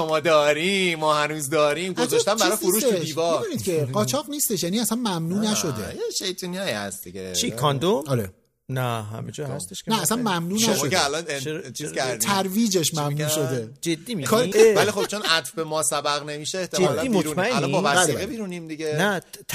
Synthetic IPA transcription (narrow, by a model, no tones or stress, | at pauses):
omɒːd̪ɒːɾiːɒːhænuːzd̪ɒːɾimɡozɔʃt̪æmbæɾɒːoɾuːʃiːvɒbed̪uːniːd̪cʰeɢɒːt͡ʃʰɒʁniːst̪eʃ̬jæːniːæsænmæmnuːnæʃo̞d̪ḛjeʃejt̪ʰunijɒːihæ̰st̪d̪iɟḛt͡ʃʰikʰɒnd̪oɒɾe | næɦæ̰med͡ʒɒhæst̪eʃnæːsænmæmnuːnæʃmːod̪eælɒnt͡ʃʰiz̥kʰæɾɾd̪it̪ʰæɾviːd͡ʒe̞ʃmæmnuːʃo̞d̪e̞d͡ʒed̪ːiːmikʰːvælixobt͡ʃʰonæt̪fbemɒːsæbæɣnemiːʃeeht̪ʰeeɔlæioɾunæælɔmbɒmvæsbæleɣebiːɾuniːmd̪iɟenæ